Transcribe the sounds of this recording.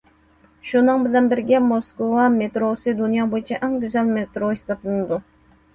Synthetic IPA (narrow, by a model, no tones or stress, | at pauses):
ʃunɨŋbɪlɛnbɪɾɡʲɛmoskowɑmet̪ɾosɨd̪unjɑːbojit͡ʃʰɛʔɛŋɡʲyzɛlmet̪ɾohisɑplˠɨnɨd̪u